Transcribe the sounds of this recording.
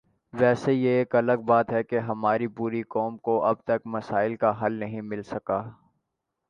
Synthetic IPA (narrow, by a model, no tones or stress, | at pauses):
ʋɛːsejeːkɐləɡ̚baːt̪ɦɛkeɦɐmaːɾipuːɾikɔːmkoʔɐb̚t̪ɐkmɐsaːɪlkaɦɐlnɐɦĩmɪlsɐkaː